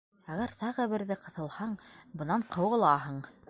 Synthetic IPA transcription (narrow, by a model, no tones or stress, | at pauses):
æɣæɾt̪ɑʁɤβɘ̆ɾðɘqɤ̆θɤ̆lˠhɑɴbɤ̆nɑɴqʰɤ̆wʁɤ̆lˠɑɦɤɴ